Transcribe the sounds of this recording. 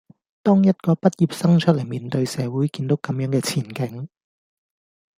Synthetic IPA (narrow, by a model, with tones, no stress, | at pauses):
t̪ɔː˥ŋjɐ˥t̚kɔː˧pɐ˥t̚jiː˨p̚sɐ˥ŋt͡ʃʰɵ˥lɐ˨˩jmiː˨˧nt̪ɵ˧ɥsɛː˨˧wuː˨˥jkiː˧nt̪o˨˥wkɐ˨˥mjœː˨˥ŋkɛː˧t͡sʰiː˨˩nkɪ˨˥ŋ